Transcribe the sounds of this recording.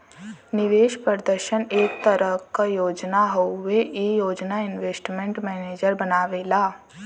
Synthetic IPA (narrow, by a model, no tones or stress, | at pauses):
nɪʋeːʃpɾəd̪əɾʃəneːk̚t̪əɾəkajoːd͡ʒnaɦoeijoːd͡ʒnaɪnʋeːsʈmẽɳʈmɛːneːd͡ʒəɾbɐnaːʋeːlaː